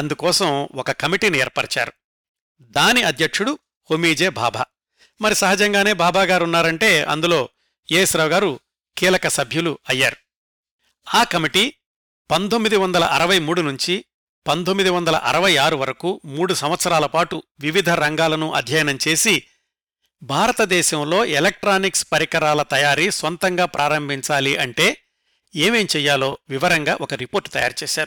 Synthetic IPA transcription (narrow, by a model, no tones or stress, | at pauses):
ɐnd̪ukɔːsɐmɔkɐkɐmiʈiːnɛːɾpɐɽɐt͡ʃa̰ːɾu | d̪aːniɐd̪ʱjɐkʂuɽu | homiːd͡ʒeːbʱa̰ːbʱa̰ː | mɐɾisɐɦɐd͡ʒɐŋɡaːne̞ːbʱaːbʱaːɡaːɾunːaːɾɐɳʈe̞ːɐ̰nd̪ulo̞ː | eːsɾɐʋwɡaːɾu | kiːlɐkɐsɐbʱjuluɐjːaːɾu | aːkɐmiʈi | pɐnd̪omːid̪iʋɐnd̪ɐlɐʔɐɾɐʋɐjmuːɽunuɲt͡ʃi | pɐnd̪omːid̪iʋɐnd̪ɐlɐ̰ʔɐ̰ɾɐʋɐjaːɾuʋɐɾɐkuːmuːɽusɐmʋɐt̪sɐɾaːlɐpaːʈuʋiʋid̪ʱɐɾɐŋɡaːlɐnuʔɐ̰d̪ʱjɐjɐnɐmt͡ʃe̞ːsi | bʱaːɾɐt̪ɐd̪ɛːʃɐmlo̞ːʔelɐk̚ʈɾaːnikspɐɾikɐɾaːlɐt̪ɐjaːɾisʋɐnt̪ɐŋɡaːpɾʔaːɾɐmbʱiɲt͡ʃaːliʔɐɳʈe̞ː | eːme̞ːmt͡ʃɛːjːaːlo̞ːʋiʋɐɾɐŋɡaːʔɔkɐɾipo̞ːɾʈːt̪ɐja̰ːɾut͡ʃɛːʃaːɾu